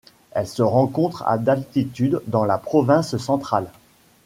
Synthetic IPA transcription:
ɛlsəʁɑ̃kɔ̃t̪χa̰d̪alt̪it̪yd̪ːɑ̃lapχɔvɛ̃ssɑ̃t̪χal

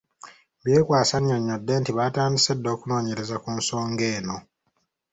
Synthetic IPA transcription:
βje̞ːkwaːsaɲːoɲːodːe̞ntiβaːtaːndisedːo̞ːkuno̞ːɲe̞ɾe̞zakunso̞ːŋɡe̞ːno̞

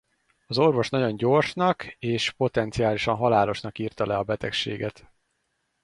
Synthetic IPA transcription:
ɒzo̞rvo̞ʃnɒɟo̞ɲɟo̞rʃnɒkeːʃpo̞t̪ɛnt̪sijaːliʃɒnɦɒlaːlo̞ʃnɒkiːrt̪ɒlɛɒbɛt̪ɛkʃḛːɡɛt̪

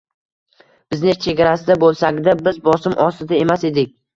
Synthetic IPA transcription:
b̥ɪznɪt͡ʃʰe̞ɡʲaɾasɪd̪abolˠsaɡʲd̪abɪzbɒsɪmʔɒsɪd̪ae̞mase̞d̪ɪkʲ

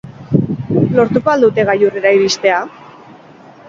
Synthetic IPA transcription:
lo̞ɾt̪uko̞ald̪ut̪e̞ɣ̞ajureɾaiɾist̪e̞a

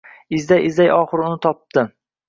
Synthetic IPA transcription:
ɪzd̪ajʔɪzd̪ajɒχɨɾʊnɪt̪ʰɒp̚t̪ɪ

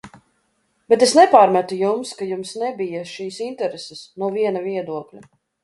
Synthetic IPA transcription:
b̥et̪̬esnɛpaːɾmæt̪ujumskajumsnɛbijɐʃiːsint̪ɛɾesɛsnuɔviɛnaviɛd̪uɔklʲu

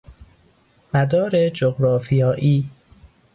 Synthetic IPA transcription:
mæd̪ɒːɾed͡ʒoɣɾɒːfijɒːʔiː

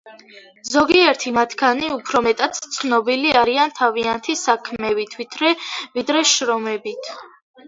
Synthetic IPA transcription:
zɔɡiɛɾt̪ʰimat̪ʰkʰaniupʰɾɔmɛt̪ʼat̪t̪sʰnɔbiliaɾiant̪ʰaviant̪ʰisakʰmɛvit̪ʰvit̪ʰɾɛvid̪ɾɛʃɾɔmɛbit̪ʰ

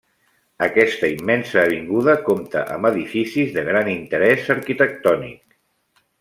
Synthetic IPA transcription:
əkɛst̪əimːɛnsəːβ̞iŋɡuðəkomt̪ə̰ʔə̰mbəðifisizðəɣɾanint̪əɾɛzəɾkit̪ək̚t̪ɔnḭk̚

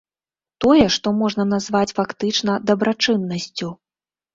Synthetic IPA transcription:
t̪ɔjɛʂt̪ɔmɔʐnɐnazvat͡sʲfakt̪ɨt͡ʂnɐd̪ɐbɾat͡ʂɨnːɐsʲt͡sʲu

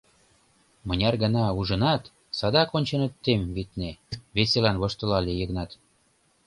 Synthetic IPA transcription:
mɤnʲɑrɣə̆nɑuʒɤ̆nɑt̪ | sɑd̪ɑkonʲt͡ɕə̆nət̪ːemβit̪neβeselɑnβoʃt̪ə̆lɑlʲejəɣnɑt̪

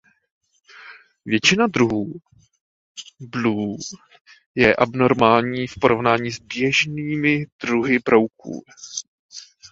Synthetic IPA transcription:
vjɛt͡ʃɪnad̪ɾuɦuː | bluː | jɛʔabno̞ɾmaːlɲiːfpo̞ɾo̞vnaːɲiːzbjɛʒniːmɪd̪ɾuɦɪbɾo̞wkṵː

